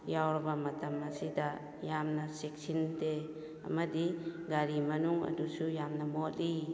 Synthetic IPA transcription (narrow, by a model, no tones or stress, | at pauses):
jawɾɐbɐmɐtɐmɐsida | jamnɐsek̚sinde | ɐ̰mɐdiɡaɾimɐnuŋɐ̰dusujamnɐmotli